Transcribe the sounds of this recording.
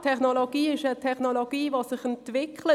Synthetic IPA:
tʰɛχnoloɡiːɪʃətʰɛχnoloɡ̥iːvosɪχɛntv̥ɪkʰlə

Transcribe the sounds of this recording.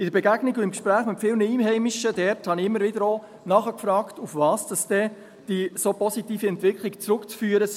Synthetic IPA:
ɪdəɾbɛɡæɡ̥nɪɡʊɪmkʃpɾæːχmɪtfɪlnəiːmɦɛɪmɪʃədɛɾthɑnɪɪmːəɾvɪdəɾoː | nɑχəkfɾɑːktufvɑːsd̥ɑsd̥ɛ | d̥isopɔsitiːfiɛntʋɪkχlɪkt͡sɾʊkt͡sfyːəɾəs

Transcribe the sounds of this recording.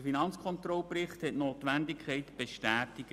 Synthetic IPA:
finɑnt͡skʰχɔnt̪rɔlprɪχthɛtnoːt̪ʋændɪkʰχɛɪtb̥eʃtæːtɪɡ

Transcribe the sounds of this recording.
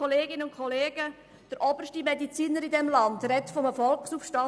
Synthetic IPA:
ɔleːɡɪnəʊnkʰɔleːɡ̥ə | d̥əɾʔɔbəɾʃtimɛdit͡siːnəɾidɛmlɑndrɛtfɔmɛfɔlksufʃtɑ

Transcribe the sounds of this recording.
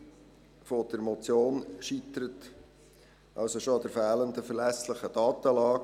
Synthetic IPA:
fod̥ɛɾmɔt͡sjoːnʃit̪əɾət | ʔɑlsoʃoɑd̪əɾfæːlənd̪əfəɾlæsləχədɑːt̪əlɑːk

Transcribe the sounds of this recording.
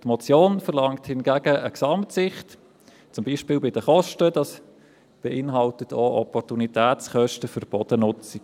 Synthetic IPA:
tmɔt͡sjoːnfəʁlɑŋthɪnɡæɡəəksɑmtsɪχt | t͡sʊmbiːʃpɪːlbɪd̥əχɔʃtəd̥ɑs | b̥ɛʔɪnɦɑltətʰoːʔɔpɔrtunitʰæːtt͡sχœʃtəfʏɾb̥ɔd̥ənʊt͡si̥

